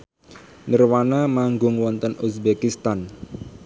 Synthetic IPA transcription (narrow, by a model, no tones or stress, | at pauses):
nərwanamaŋɡʊŋwɔnt̪ənusbekist̪an